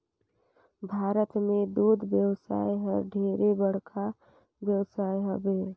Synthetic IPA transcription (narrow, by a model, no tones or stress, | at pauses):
bʱaːɾət̪med̪ud̪ʱbjəwsa̰jɦəɾɖʱeɾebəɽ̤kʰa | bjəwsajɦəbe